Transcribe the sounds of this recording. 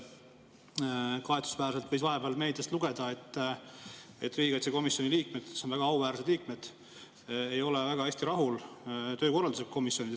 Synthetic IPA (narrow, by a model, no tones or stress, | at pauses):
kɑe̞t̪u̥svæːɾse̞lt̪vɤjsvɑɦe̞b̥eɑlme̞jld̪est̪luɡ̥e̞d̪̥ɑe̞t̪ː | e̞̰t̪ːriːɡɑt̪ʲseko̞misjo̞nʲiliːk̚med̪̥sonvæɡ̥ɑɑuvæːɾse̞d̪̥liːkme̞d̪̥ | e̞jo̞levæɡ̥ɑhesʲt̪iɾɑɦult̪øːko̞rːɑld̪useko̞misjo̞nid̪